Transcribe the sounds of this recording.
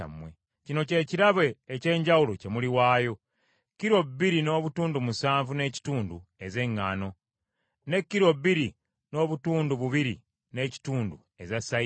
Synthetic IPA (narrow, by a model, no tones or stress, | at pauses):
a̰mwḛ | cino̞ce̞ciɾaβe̞ːce̞ːɲɟawulo̞ce̞muliwaːjo̞ | kːiɾo̞ubːiɾino̞ːβutuːndumusaːɱvune̞ːci̥tuːndue̞ze̞ŋːano̞ | ne̞kːiɾo̞βːiɾi | no̞ːβutuːnduβuβiɾḭ | ne̞ci̥tuːndu | e̞zasa